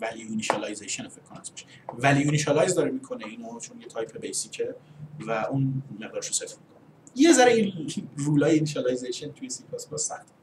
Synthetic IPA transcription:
vælijuniʃɑlɑjzeʃonfekʰkːonæsbɔʃe̥ | vælijuniʃɑlɒjzd̪ɒːɾemikʰoneiːnot͡ʃʰonjet̪ʰɒjpʰebejsicʰevæʔũnmebeɾʃusefmikʰonejezæɾeinruːlɒːjeiniʃɑlɑjzejʃent̪ʰujesipʰɑsbɒsæxt̪ʰ

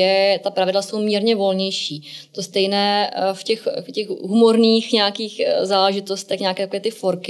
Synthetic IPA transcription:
ɛt̪apɾavɪdlaso̞wmiːɾɲɛvo̞lɲɛjʃiːt̪ost̪ɛjnɛːfcɛxfcɛxɦumo̞ɾniːxɲɛakiːxzaːlɛʒɪt̪o̞st̪ɛxɲakɛːt̪akoɛːt̪ɪfo̞ɾkɪ

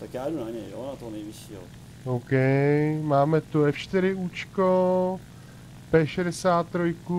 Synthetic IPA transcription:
t̪akjaːdunaɲɛjjonat̪oɦonɛjvɪʃiːɦo̰ | owkɛjmaːmɛt̪uɛfʃt̪ɪɾɪuːt͡ʃko | pɛːʃɛdɛsaːt̪ːɾojku

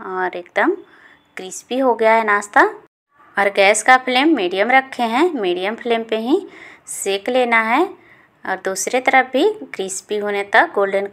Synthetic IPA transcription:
ɔːɾeːkd̪əm | ɡ̥ɾiːspiɦoɡɐjaɦɛnaːst̪a | ɔːɾɡɛːskapʰleːmːiːɖijəmɾɐkʰːeɦɛ̃miːɖijəmpʰleːmpeɦiseːkleːnaɦɛ | ɔ̰ːɾd̪uːsɾet̪ɐɾəɦbʱiɡɾiːspiɦoːnet̪ɐk̚ɡoːlɖən

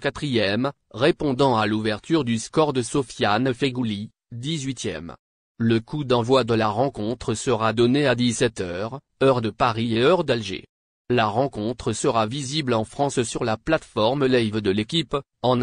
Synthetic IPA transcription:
kat̪χijɛm | ʁepɔ̃d̪ɑ̃aluvɛʁt̪yʁd̪yskɔʁd̪əsɔfjanəfeɡuli | d̪izɥit̪jɛ̰m | ləkud̪ɑ̃vwad̪əlaʁɑ̃kɔ̃t̪χəsəʁad̪ɔnead̪isɛt̪œʁ | œʁd̪əpaʁieœʁd̪alʒḛ | laʁɑ̃kɔ̃t̪χəsəʁaviziblɑ̃fχɑ̃ssyʁlaplat̪fɔʁmlɛjvd̪əlekʲip | ɑ̃n

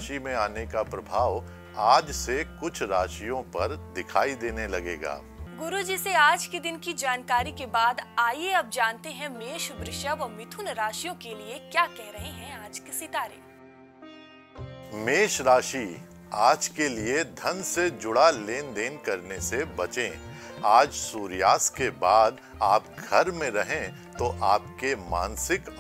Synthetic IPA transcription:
ʃimẽaːnekapɾɐbʱaːʋ | aːd͡ʒsekʊt͡ʃʰɾaːʃijõpɐɾd̪ɪkʰaːid̪eːnelɐɡḛːɡa̰ː | ɡʊɾud͡ʒiseaːd͡ʒked̪ɪnkid͡ʒaːnkaːɾikebaːd̪aːjeɐb̚d͡ʒaːnt̪eɦɛ̃meːʃbɾɪʃjaʋɐmɪt̪ʰʊnɾaːʃijõkeliekjaːkɛɦɾɐɦeɦɛ̃aːd͡ʒkesɪt̪aːɾḛː | meːʃɾaːʃiː | aːd͡ʒkelied̪ʱɐnsed͡ʒʊɽaleːnd̪eːnkɐɾnesebɐt͡ʃẽːaːd͡ʒsuːɾjaːskebaːd̪ | aːpɡʱɐɾmẽɾɐɦẽ | t̪oʔaːpkema̰ːnsɪk

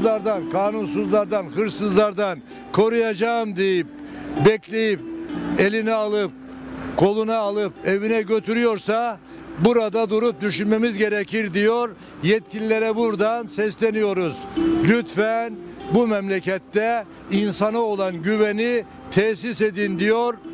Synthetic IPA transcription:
lˠaɾd̪ankʰaːnuns̬uzlˠaɾd̪anhɯɾsɯzlˠaɾd̪an | kʰo̞ɾujad͡ʒaɯmd̪ejip̚ | bɛcʰlʲe̞jip̚e̞lʲinɛalˠɯp̚ | kʰo̞lˠunaːlˠɯp̚evinɛɟø̞t̪ʰyɾyjo̞ɾsa | buɾad̪ad̪uɾup̚d̪yʃynme̞mizɟe̞ɾɛcʰiɾd̪ijoɾ | jɛt̪̚cʰilʲilʲeɾɛbuɾd̪ansɛslʲe̞nijo̞ɾuz̥lʲyt̪fænbumɛmlʲecɛt̪ːɛ | insanao̞lˠanɟyveni | t̪ʰɛsised̪ind̪ijoɾ

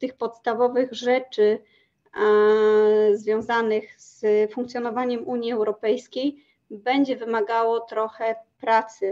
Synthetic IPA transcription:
t̪ɘxpɔt̪st̪avɔvɘɣʐɛt͡ʂɘ | zvʲjɔ̃w̃zanɘɣz̥fũŋkt̪sʲjɔnɔvaɲɛmuɲjiɛwɾɔpɛjskʲej | bɛɲd͡ʑɛvɘmaɡawɔt̪ɾɔxɛpɾat̪sɘ

